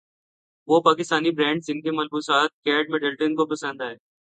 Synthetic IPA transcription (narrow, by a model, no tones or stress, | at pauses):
ʋopaːkɪst̪aːnibɾɛ̃ːɳɖsɪnkemɐlbuːsaːt̪̚kɛːɖmɛɖəlʈənkopɐsə̃nd̪aɦɛː